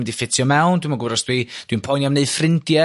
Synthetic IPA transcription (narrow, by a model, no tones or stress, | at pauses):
mɛdifɪtʰjɔmɛwndwimaɡʊɾɔsd̥wid̥winpʰɔjnjamneɨð̥frɪndjɛ